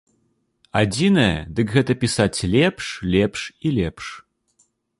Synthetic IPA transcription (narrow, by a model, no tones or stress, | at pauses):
ad͡zʲinɐjɛ̰d̪ɨkɣɛt̪ɐpʲisat͡sʲlʲɛpʂlʲɛpʂilʲɛpʂ